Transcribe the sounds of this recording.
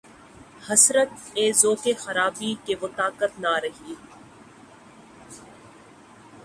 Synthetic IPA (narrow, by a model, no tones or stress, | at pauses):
hɐsɾət̪̚eːzoːkexɐɾaːbiːkeʋət̪aːkət̪naɾɐɦiː